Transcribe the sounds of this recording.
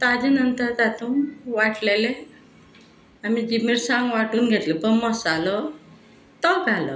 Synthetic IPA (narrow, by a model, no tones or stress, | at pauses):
t̪ad͡ʑenənt̪əɾt̪at̪unʋaʈlele | amid͡ʑimiɾsãŋɡʋaʈuːnɡʱet̪ləpəɳmɔsalɔ | t̪ɔɡʱalɔ̰